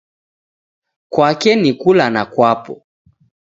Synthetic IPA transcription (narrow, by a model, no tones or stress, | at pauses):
kwakɛnikulanakwapɔ̰